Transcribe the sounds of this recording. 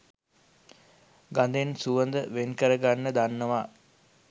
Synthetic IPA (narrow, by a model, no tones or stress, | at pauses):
ɡand̪ensuʋənd̪əʋenkəɾəɡanːəd̪anːəʋa